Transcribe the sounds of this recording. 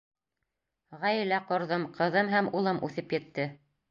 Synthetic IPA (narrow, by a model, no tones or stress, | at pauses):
ʁæjɘ̆læqŏɾðɤmqɤ̆ðɤmɦæmulˠɤmʉ̰θɘpjɘ̆t̪ːɘ